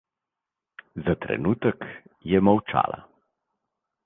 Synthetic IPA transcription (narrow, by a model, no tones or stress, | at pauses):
zat̪ɾɛ̰nuːt̪əkjɛmawt͡ʃa̰ːla̰